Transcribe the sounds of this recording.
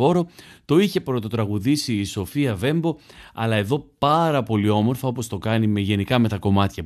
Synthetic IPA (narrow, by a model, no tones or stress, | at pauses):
o̞ɾo̞t̪o̞içe̞pɾot̪o̞t̪ɾɐɣuðisiːso̞fiɐve̞mbo̞ɐ̰lɐe̞ðo̞pɐɾɐpo̞lio̞mo̞ɾfɐo̞po̞st̪o̞kɐnime̞ʝe̞nikɐme̞t̪ɐko̞mɐt̪çɐ